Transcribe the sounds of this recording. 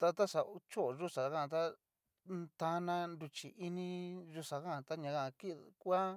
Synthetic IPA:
t̪a˧t̪a˦sa˨u˧t͡ʃo˦ʔʒu˦sa˨kã˦˧t̪a˦ | t̪ã˧nã˧nd̪u˧t͡ʃḭ˨ʔi˧nĩ˦ʒu˧ʂa˨˧kã˦˨t̪a˦ɲã˧kã˧ki˦˧kʷa˦

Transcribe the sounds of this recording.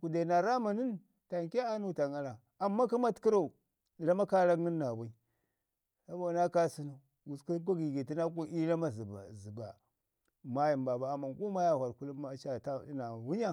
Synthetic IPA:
ku˨da˨na˨ɾa˦ma˨ni˦n | ta˨ŋke˦a˦nu˦˨ta˨ŋa˦ɾa˨ | a˨mːa˦ka˦ma˦tki˦ɾa˦u˨ | la˦ma˦ka˦ɾa˦kni˦nːa˨ba˦i˦ | sa˦ba˨na˦ka˦si˦na˨ | ɡu˨ski˦k̬ʷa˦ɡi˨ɡi˨ti˦na˦ku˦i˦la˦ma˦zzi˨ba˨ | ma˦ji˨mba˨ba˨a˨ma˨nku˦ma˦ja˦hʷa˨ɾku˦lu˦ma˦t͡ʃa˨ta˦na˨wu˦ɲa˦

